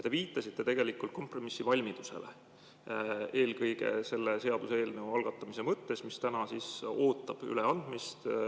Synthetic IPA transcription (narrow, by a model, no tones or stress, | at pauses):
jɑt̪eviːt̪ːˑɑsit̪ːˑe̞t̪e̞ɡ̥e̞likːult̪̚ko̞mpro̞misːivɑlʲmid̪̥use̞̰lḛ | e̞ːlkɤjɡ̥e̞̰se̞lːe̞se̞ɑd̪̥use̞ːlneuɑlɡ̥ɑt̪ːˑɑmise̞mɤt̪ːe̞smist̪ænɑsiso̞ːt̪ːˑɑb̥y̰leɑnd̪̥mist̪